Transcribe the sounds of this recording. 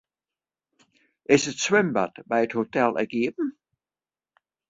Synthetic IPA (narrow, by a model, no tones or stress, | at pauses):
ʔɪsətswɪmba̰tbɛjəthotɛlˠɛ̰ɡ̥iːbn̩